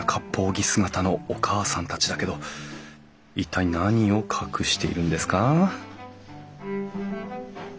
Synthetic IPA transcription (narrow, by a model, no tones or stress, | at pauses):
akʰapʰːo̞ːɡʲisɨɡat̪ano̞okʰaːsãnt̪at͡ɕid̪ake̞d̪o̞ | it̪ʰːainaɲ̟io̞kʰakɯ̟ɕi̥t̪e̞ḭɾɯ̟̃nd̪e̞sɨ̥ka